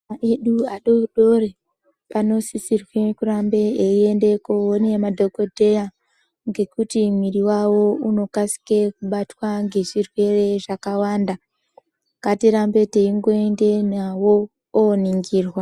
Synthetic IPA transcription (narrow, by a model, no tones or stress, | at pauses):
aʔeɗuaɗo̞ɗo̞re | pano̞sisirwe̞kurambe̞eie̞nde̞kowonemadʱo̞ko̞dʱe̞ja | ŋɡe̞kutimiriwawo̞uno̞kasi̥ke̞kuɓatwaŋɡe̞ʐirwe̞re̞ʐakawaːnda | katiɾambe̞teiŋɡo̞ende̞nawo̞ː | niŋɡiːrwa